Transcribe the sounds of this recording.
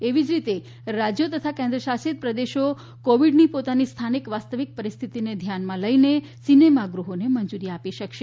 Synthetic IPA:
eʋid͡ʒɾit̪e | ɾad͡ʒjot̪ət̪ʰakẽnd̪ɾəʃasit̪̚pɾəd̪eʃo | koʋiɖnipot̪anist̪ʰanikʋast̪əʋik̚pəɾist̪ʰit̪ined̪ʱjanmãləine | sinemaɡɾuɦonemənd͡ʒuɾiapiʃəkʃe

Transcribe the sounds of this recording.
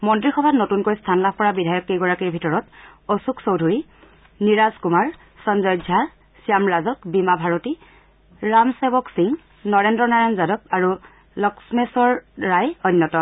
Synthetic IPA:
mɔntɹixɔbʱatnotunkojstʰanlab̚ʰʱpɔɹabidʱajɔkejɡɔɹakiɹbʱitɔɹɔtosuksowdʱuɹi | niɹazkumaɹ | sɔnzɔjdʱa | sijamɹazɔk̚bimabʱaɹoti | ɹamsebɔksiŋ | nɔɹendɹɔnaɹanzadɔk̚aɹu | lɔksmesɔɹːajɔnːjɔtɔ

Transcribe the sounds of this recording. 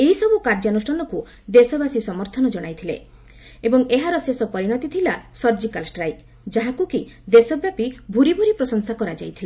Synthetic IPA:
eɦisɔbukaɾd͡ʒanusʈʰɔnɔku | d̪esɔbasisɔmɔɾt̪ʰɔnɔd͡ʒɔɽ̃ajt̪ʰilḛ | ebɔŋeɦaɾɔsesɔpɔɾiɽ̃ɔt̪it̪ʰilasɔɾd͡ʒikalsʈɾaj | d͡ʒaɦakukid̪esɔbjapibʱuɾibʱuɾipɾɔsɔŋsakɔɾad͡ʒa̰jt̪ʰila

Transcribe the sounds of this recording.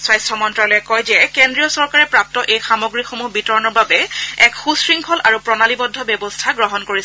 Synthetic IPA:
swajstʰɔmɔntɹalɔjɛkɔjzɛkendɹijɔsɔɹkaɹɛpɹap̚tɔʔejxamoɡɹixomuɦbitɔɹɔnɔɹbabɛɛkxusɹiŋkʰɔlʔaɹupɹɔnalibɔdʱːɔbjɔbɔstʰaɡɹɔɦɔnkoɹis

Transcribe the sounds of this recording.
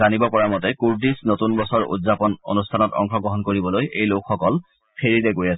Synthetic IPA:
anibɔpɔɹamɔtɛkuɹdisnotunbɔsɔɹṵdzapɔno̰nustʰanɔtɔ̰ŋxɔɡɹɔɦɔnkoɹibɔlojʔejlokʰxɔkɔl | pʰeɹidɛkojasɛ

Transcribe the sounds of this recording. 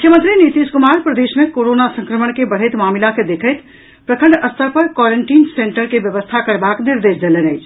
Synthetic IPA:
mʊkʰjəmənt̪ɾinit̪iskumaːɾpɾəd̪eːsmekoɾonasə̃ŋkɾəməɳkebəɽ̤əjt̪maːmilaked̪ekʰəjt̪ | pɾəkʰəɳɖəst̪ʰəpəɾkwɔɾeɳʈiːnseɳʈəɾkebjəʋəst̪ʰakəɽbakniɾd̪eːsd̪elenəɪt͡ʃʰ

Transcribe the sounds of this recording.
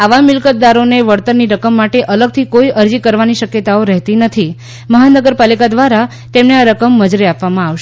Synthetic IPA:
aʋamɪlkət̪̚d̪aɾoneʋəɽt̪ənniɾəkəmːaʈeʔələɡ̚t̪ʰikoiʔəɾd͡ʒikəɾʋaniʃəkjət̪aoɾɛɦt̪inət̪ʰi | məɦanəɡəɾpalikad̪ʋaɾa | t̪emneaɾəkəmːəd͡ʒɾiapʋamãaʋʃ

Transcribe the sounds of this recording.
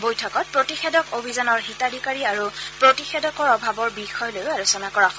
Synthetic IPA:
bojtʰɔkɔt̚pɹotixedɔkobʱizanɔɹɦitadikaɹiaɹupɹotixedɔkɔɹɔbʱabɔɹbixɔjɔlojʊalosɔnakɔɹaxɔ

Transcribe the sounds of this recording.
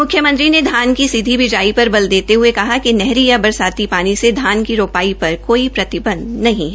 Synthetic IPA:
mʊkʰːjəmə̃nt̪ɾined̪ʱaːnkisɪd̪ʱibɪd͡ʒaːipɐɾbɐld̪eːt̪eɦʊekɐɦakinɛɦɾijabɐɾsaːt̪ipaːnised̪ʱaːnkiɾoːpaːipɐɾkoːipɾɐt̪ɪbə̃nd̪nɐɦĩɦɛː

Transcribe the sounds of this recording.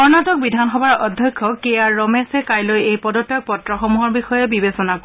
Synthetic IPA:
ɔɹnatɔk̚bidʱanxɔbaɹɔdʱːjɔkʰːɔkejaːɔmɛsɛkajlojejpɔdɔtːɛk̚pɔtɹɔxɔmuɦɔɹbixɔjɛbibesɔnak

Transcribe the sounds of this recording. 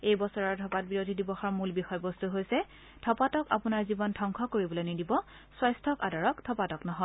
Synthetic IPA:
ejbɔsɔɹaɹtʰɔpat̚biɹodʱidibɔxɔɹmulbixɔjbɔstuɦojsɛ | tʰɔpatɔka̰pʊnaɹzibɔntʰɔŋkʰɔkoɹibɔlojnidibɔ | swajstʰɔkadɔɹɔktʰɔpatɔknɔɦɔj

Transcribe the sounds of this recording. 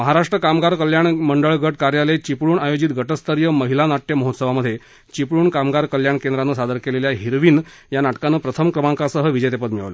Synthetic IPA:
məɦaɾaʂʈɾəkamɡaɾkəljaɳməɳɖəɭɡʱəʈ̚kaɾjalet͡ɕipɭuːɳajod͡ʑiːt̪ɡʱəʈəst̪əɾjəməɦilanaʈjəməɦot̪səʋaməd̪ʱːje | t͡ɕipɭuːɳkamɡaɾkəljaɳkend̪ɾanːəsad̪əɾkeleljaɦiɾʋiːn | janaʈkanːəːpɾət̪ʰəmkɾəmãŋkasəɦəʋid͡ʑəjt̪epət̪miɭʋlə

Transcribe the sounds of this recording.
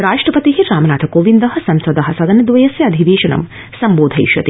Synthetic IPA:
ɾaːʂʈɾɐpɐt̪iɦiɾaːmɐnaːt̪ʰɐkoːʋind̪ɐɦɐ̆sɐmsɐd̪ɐɦɐsɐd̪ɐnɐd̪ʋɐjɐsjɐɐd̪ʱiʋeːʃɐnɐ̰m | sɐmboːd̪ʱɐjʃʋɐ̰t̪i

